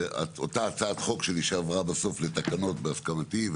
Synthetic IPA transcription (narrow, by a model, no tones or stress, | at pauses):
a̰otaːt͡saːt̪χo̞kʃeliʃeavʁabaso̞flet̪akano̞tbeaskamat̪iv